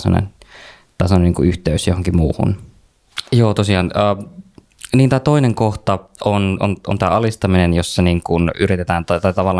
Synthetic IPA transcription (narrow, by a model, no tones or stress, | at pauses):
so̰nḛn | t̪ɑˑseooneniŋkuyht̪eysjohoŋkimuːhṵn | joːt̪osiɑːnəː | niːnt̪ɑːt̪oineŋkoht̪ɑono̰nʔo̰nt̪æ̰ːʔɑlist̪ɑminenjosːɑniːŋkunyrit̪et̪æːnt̪ɑt̪ɑjt̪ɑʋɑlːɑ